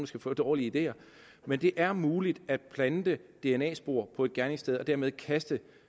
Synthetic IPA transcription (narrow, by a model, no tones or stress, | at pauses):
nd̥ɑsɡ̥æfɔ̰̽ːd̥ɒːliəid̥e̝̰ːɐ | mend̥e̝ʔæɐmuːlid̥æd̥̚pʰlænd̥əd̥e̝enɛ̰ːsb̥o̝ɐ̰pʰɒ̽e̝d̥ɡ̥æɐne̝ŋsd̥eð̞ˠɒ̽d̥æɐmeð̞ˠkʰæsd̥ə